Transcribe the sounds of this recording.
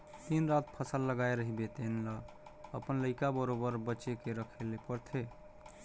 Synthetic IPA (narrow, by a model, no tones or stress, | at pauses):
t̪inɾat̪̚pʰəsəlːəɡajɾəɦibet̪enlə | əpənləɪkabəɾobəɾbətːt͡ʃekeɾəkʰelepəɾt̪ʰe